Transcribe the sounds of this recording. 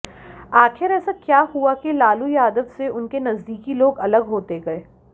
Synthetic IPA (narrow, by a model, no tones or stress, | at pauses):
aːxɪɾɛːsakjaːɦuakelaːlujaːd̪əʋseʊnkenɐzd̪iːkiloːɡɐləɡɦoːt̪eɡɐeː